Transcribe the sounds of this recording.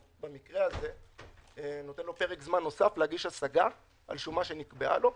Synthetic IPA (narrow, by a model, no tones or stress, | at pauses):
bemikʁe̞aze̞ | no̞t̪enlo̞pe̞ʁekzmanːo̞safleaɡiʃasaɡa | ʔa̰lʃumaʃenikbea̰lo̞